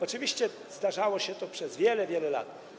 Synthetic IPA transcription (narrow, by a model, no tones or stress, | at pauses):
ɔt͡ʂɨvʲiɕt͡ɕɛ | zd̪aʐawɔɕɛt̪ɔpʂɛzvʲjɛlɛvʲjɛlɛla̰t̪